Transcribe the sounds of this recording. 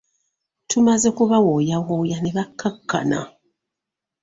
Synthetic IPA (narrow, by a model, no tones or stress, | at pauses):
tʰumazekuβawojawojaneβakːakʰːa̰na̰